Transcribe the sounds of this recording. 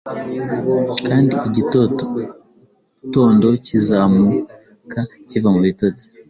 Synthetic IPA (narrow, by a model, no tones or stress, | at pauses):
kaːndiiɟit | to̞ːndo̞cizaːmu | kʰacivamuβito̞t͡si̥